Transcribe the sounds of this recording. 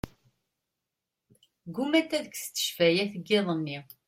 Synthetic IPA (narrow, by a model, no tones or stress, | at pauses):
ɡumæt̪ːæðəkst̪ːə̥ʃvæjæθəɡːeðˤənːi